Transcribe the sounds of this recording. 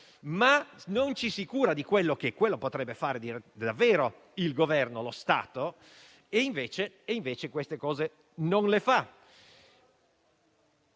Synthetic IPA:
manont͡ʃisikuːɾad̪ikwelːok̟ekwelːopot̪ɾɛbːefaːɾed̪iɾed̪avːeːɾo | ilɡovɛrnolost̪a̰ːt̪o | eiɱveːt͡ʃeːiɱveːt͡ʃekwest̪ekɔːze | nonlefa

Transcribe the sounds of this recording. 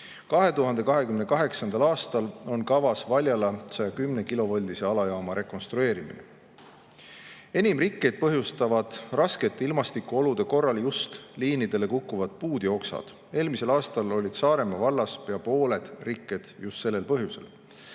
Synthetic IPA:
kɑɦe̞t̪uɦɑnd̪e̞kɑɦe̞kymne̞kɑɦe̞ksɑnd̪ɑlɑːst̪ɑlo̞nkɑvɑsvɑlʲjɑlɑsɑjɑkymne̞kilo̞vɑlʲd̪ise̞ɑlɑjɑomɑɾe̞kːˑo̞nst̪ɾue̞ːɾimḭnḛ | e̞nʲimrikːˑe̞jd̪̚pɤɦjust̪ɑvɑd̪̥rɑske̞t̪ːˑeilmɑst̪ikːuo̞lud̪̥e̞ko̞rːɑljust̪liːnid̪̥e̞le̞kukːuvɑd̪̥̚puːd̪̥jo̞ksɑ̰d̪̥ | e̞ːlmise̞lɑːst̪ɑlo̞lʲid̪̥sɑːɾe̞mɑvɑlːɑsjɑpo̞ːle̞d̪̥rikːˑe̞d̪̥just̪se̞lːe̞lpɤɦjuse̞̰l

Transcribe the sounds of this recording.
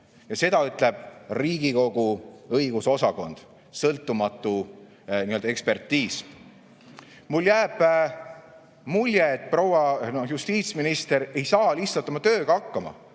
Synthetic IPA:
jɑse̞d̪ɑyt̪ˑle̞b̥̚riːɡiko̞ɡ̥uɤjɡ̥uso̞sɑko̞nd̪̥ | sɤlt̪ːˑumɑt̪ːˑu | niø̞ld̪ɑe̞kspe̞rt̪ːiːs | muljæːb̥ | mulʲjeːt̪̚ˑprowɑnojust̪iːt̪sminist̪e̞ɾe̞jsɑːlist̪ːɑt̪ːˑɑmɑt̪ø̞ːɡ̥ɑɑkːɑmɑ̰

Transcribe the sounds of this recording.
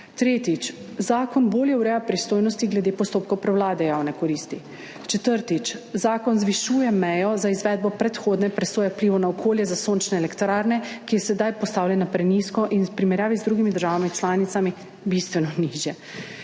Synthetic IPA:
t̪ɾeːt̪it͡ʃ | zaːkɔnboːljɛwɾɛjapɾist̪oːjnɔst̪iɡlɛd̪epɔst̪oːp̚kɔwpɾɛwlaːd̪ɛjaːwnɛkɔɾiːst̪i | t͡ʃɛt̪əɾt̪it͡ʃzaːkɔnzʋiʃuːjɛmɛjɔzaizʋɛːd̪̚bɔpɾɛt̪xoːd̪nɛpɾɛsoːjɛwpliːʋɔnaɔkʰoːljɛzasoːnt͡ʃnɛːlɛkt̪ɾaːɾnɛkijɛsɛd̪ajpɔst̪aːwlʲjɛnapɾɛniskɔʔinspɾimɛɾjaːʋizd̪ɾuːɡimid̪əɾʒaːʋamit͡ʃlaːnit̪sami | bist̪ʋɛnɔniʒjɛ

